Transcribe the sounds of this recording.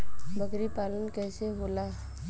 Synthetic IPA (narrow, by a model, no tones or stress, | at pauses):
bəɡɾipalənkɛjseɦola